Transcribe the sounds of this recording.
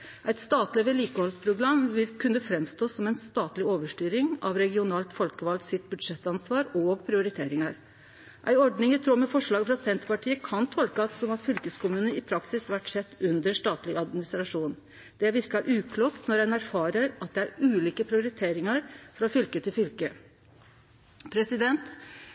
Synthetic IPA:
ʔæɪt̪st̪ɑːt̪lɪʋɛliːkəhɔlspʰɾʊɡɾɑmʋɪlkʰʉnːəfɾɛmst̪oːsːɔmɛnst̪ɑːt̪lɪoːʋəʂʈyːɾɪŋɑ̰ʋɾɛɡɪʊnɑːlt̪fɔlkəʋɑld̪sɪt̪̚bʉd̪ʂɛt̪ːɑnsʋɑːɾoɡpʰɾɪʊɾɪt̪ʰeːɾɪŋɑɾ | ʔæ̰ɪɔɖnɪŋɪt̪ʰɾuːmɛfɔʂɭɑːɡfɾɑsɛnt̪pɑʈʰiːəkʰɑnt̪ʰɔlkəɑt̪sɔmɑt̪fʏlkəskʊmʉːnəɪpʰɾɑksɪsʋæʈːsɛt̪ːʉnd̪əʂʈɑːt̪lɪɑd̪mɪnɪst̪ɾɑʂuːn | d̪̥ɛʋɪɾkɑʔʉːkʰluːkt̪nɔɾhɛnæɾfɑːɾəɾɑt̪̚d̪ɛæɾʉːliːkəpʰɾɪʊɾɪt̪ʰeːɾɪŋɑɾfɔɾɔfʏlkət̪ʰɪlfʏlkə | pʰɾɛsɪd̪ɛnt̪

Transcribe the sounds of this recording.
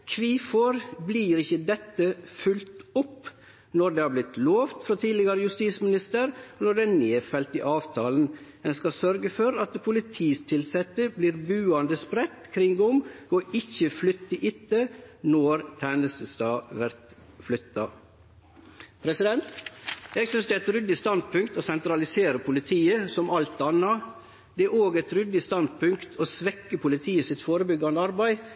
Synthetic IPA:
kʰʋiːfɔɾbliːɾɪçəd̪ɛt̪ːəfʉlt̪ʊp | nɔɾd̪eːhɑːblɪt̪loːʋt̪fɾɔt̪ʰiːdlɪɡɑɾəjʉst̪iːsmɪnɪst̪əɾnɔɖɛneːfɛlt̪ɪʔɑːʋt̪ʰɑːln̩ | ɛnskɑsœɾɡəfɔɾɑt̪pʰʊlɪt̪ʰiːst̪ʰɪlsɛt̪ːəbliːɾbʉːɑnd̪əspɾɛt̪ːkʰɾɪŋɡʊmoɪçəflʏt̪ːəʔɪt̪ːənɔːɾt̪ʰænəst̪əst̪ɑːʋæɾt̪ | flʏt̪ːɑ | pʰɾɛsɪd̪ɛnt̪ɛɡsʏnsd̪ɛæɛt̪ɾʏd̪ɪst̪ɑnd̪̚pʰʉŋkt̪oːsɛnt̪ɾɑlɪseːɾəpʰʊlɪt̪ʰiːəsɔmɑlt̪ɑnːɑ | d̪ɛæɾoːɡɛt̪ɾʏd̪ɪst̪ɑnd̪pʰʉŋkt̪ʰoːsʋɛkːəpʰʊlɪt̪ʰiːəsɪt̪foːɾəbʏɡɑnəɑɾbæɪ

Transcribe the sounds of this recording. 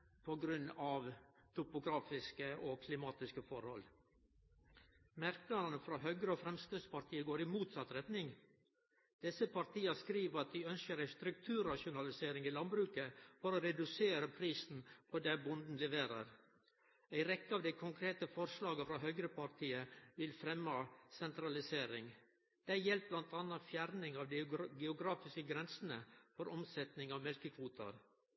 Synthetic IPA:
pʰɔɡɾʉnːɑʋt̪ʰʊpʊɡɾɑːfɪskəʔɔkʰlɪmɑːt̪ɪskəfɔɾhɔ̰l | mæɾknɑɾənəfɾɑːɦœɡɾəɔfɾɛmst̪ʉspɑɾt̪ʰiːəɡoːɾɪmuːt̪sɑt̪ɾɛt̪nɪŋ | d̪̥ɪsəpɑɾt̪iːɑskɾiːʋəɾɑt̪̚d̪ɪœnskəɾæɪst̪ɾʉk̚t̪ʰʉːɾːɑʃʊnɑlɪseːɾɪŋiːlɑnbɾʉːkəfɔɾɔɾɛd̪ʉseːɾəpʰɾiːsn̩pʰɔd̪æːbʊnd̪n̩lɛʋeːɾə̰ɾ | æɪɾɛkːəɑːʋd̪æɪkʰʊŋkʰɾeːt̪əfɔɾʂlɑːɡəfɾɑːɦœʏɡɾəpʰɑɾt̪ʰiːəʋɪlfɾɛmːɑsɛnt̪ɾɑlɪseːɾɪŋ | d̪̥æɪjɛlp̚blɑnt̪ʰɑnːɑfjæɾnɪŋɑːʋd̪ɡɛʊɡɾɑːfɪskəɡɾɛnsənəfɔɾɔmsɛt̪nɪŋɑʋmɛlkəkʰʋuːt̪ʰɑ̰ɾ

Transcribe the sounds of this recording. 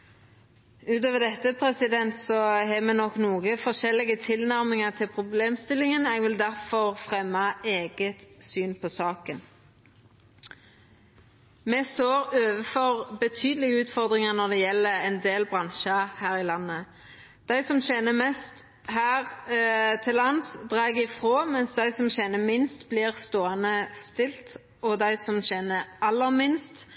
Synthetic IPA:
ʉːt̪oːʋəʁd̪ɛt̪ːəpʰʁɛsɪd̪ɛnt̪sɔɦɛːmɛːnɔkːnuːɡəfɔʁʃɛlɪɡət̪ʰɪlnæʁmɪŋəʁt̪ʰɪlpʰʁʊbleːmst̪ɪlːɪŋəneːɡʋɪld̪æʁfɔʁfʁɛmːɑeːɡət̪syːnpʰɔsɑːkən | mɛst̪oːʁøːʋəfɔʁbət̪ʰyːd̪əlɪɡəʉːt̪fɔʁd̪ʁɪŋəʁnɔd̪ɛjɛlːəɛnd̪eːlbʁɑnʃɑhæːʁɪlɑnːə | d̪̥æɪsɔmɕɛnəmɛst̪ | hæːʁ | t̪ʰɪlɑnsd̪ʁɑːɡɪfʁoːmɛnsd̪æɪsɔmɕɛnəmɪnst̪bliːʁst̪oːɑnəst̪ɪlt̪ | ɔd̪æɪsɔmɕɛnəʔɑlːəmɪnst̪

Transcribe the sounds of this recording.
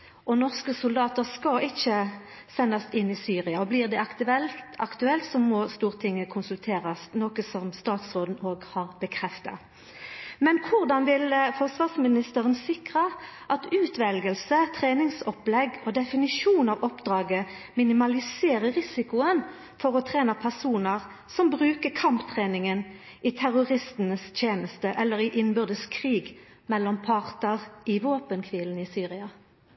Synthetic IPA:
ʔɔnɔʁskəsʊld̪ɑːt̪əʁskɑɪçə | sɛnːɑsɪnːɪsyːʁɪɑɔblɪʁd̪ɛɑɛlʔɑkt̪ʉɛlt̪sɔmɔst̪uːʁət̪ʰɪŋːəkʰʊnsʉlt̪ʰeːʁɑsnoːkəsɔmst̪ɑːt̪sʁoːd̪n̩oːɡhɑːʁbəkʰʁɛft̪ɑ̰ | mɛnkʰʊʁd̪ɑnʋɪlfɔʁsʋɑːʁsmɪnɪst̪əʁənsɪkʁəʔɑt̪ʉːt̪ʰʋɛlɡəlsət̪ʰʁeːnɪŋsɔplɛɡoːd̪ɛfɪnɪʂuːnɑʋɔpd̪ʁɑːɡə | mɪnɪmɑlɪseːʁəʁɪsɪkʊən | fɔʁɔt̪ʰʁeːnəpʰæʁsuːnəʁ | sɔmbʁʉːkəkʰɑmpt̪ʰʁeːnɪŋən | ʔit̪ʰæʁʊʁɪst̪n̩əst̪ʰjeːnəst̪əʔɛlːəʁɪʔɪnbʏʁd̪əskʰʁiːɡ | mɛlːɔmpʰɑʁt̪əʁɪʋoːpənkʰʋiːln̩iːsyːʁɪɑ

